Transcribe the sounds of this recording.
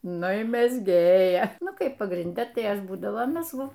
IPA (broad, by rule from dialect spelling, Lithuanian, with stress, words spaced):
ˈnʊ ɪ mʲɛzʲˈɡʲeːjɛ ˈnʊ ˈkɐɪp pɐɡrʲɪnʲˈdʲɛ tɐɪ ˈɐʃ ˈbuːdɐʋoː mʲɛzˈɡʊ